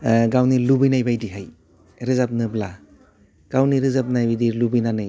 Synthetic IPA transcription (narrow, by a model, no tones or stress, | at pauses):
ɡawnilubɯjnajbajdiɦaj | ɾɯzap̚nɯbla | ɡ̥awniɾɯzap̚najbajdilubɯjnanɯj